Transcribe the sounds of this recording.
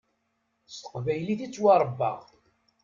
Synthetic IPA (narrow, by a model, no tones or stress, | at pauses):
st̪ə̥qvæjliθit͡sːwɑɾˤəbːɑ̰ʁ